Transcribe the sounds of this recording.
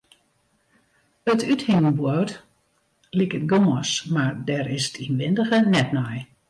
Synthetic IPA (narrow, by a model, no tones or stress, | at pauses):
ətythɪŋənbwot | likət̚ɡoməsmardɛɾɪsə̥tʰinʋɪndəɣənɛtnɔj